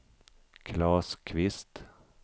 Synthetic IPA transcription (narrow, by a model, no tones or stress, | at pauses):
kʰlɑːskʰʋɪst̪